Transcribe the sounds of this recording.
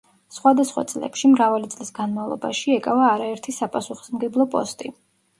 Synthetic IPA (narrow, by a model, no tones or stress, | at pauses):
sχwad̪asχwa̰t̪sʼlɛ̰pʃimɾavalit̪sʼlisɡanmavlˠɔ̰ba̰ʃiɛkʼavaːɾaɛɾt̪ʰisapʼasuχɔ̥smɡɛblˠɔpʼɔ̰st̪ʼi